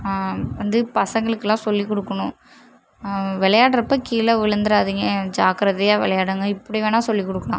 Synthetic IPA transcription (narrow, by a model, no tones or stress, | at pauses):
ʋɐnd̪ɯpɐsɐŋɡɐɭɯkːɛlːãːsɔlːikɔɽɯkːɐɳʊ̃ | ʋɛɭɐjaːɽɐɾɐpːɐːkiːlɐʋɪɭɐnd̪ɯɾaːðɯŋɡɐd͡ʒaːkɐɾɐðɐjaːʋɛlɐjaːɽɯŋɡɐɪpːɐɽɪʋeːnaːsɔlːikɔɽɯkːɐɭã̰ː